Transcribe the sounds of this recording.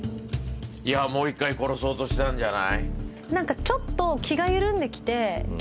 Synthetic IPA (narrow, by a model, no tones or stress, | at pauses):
iamo̞ːikːaiko̞ɾo̞so̞ːt̪o̞ɕi̥t̪ãɲ̟d͡ʑana̰i | nãŋkat͡ɕo̞t̪ːo̞kʲʰiɡaɯɾɯ̟̃nd̪e̞kʲi̥t̪e̞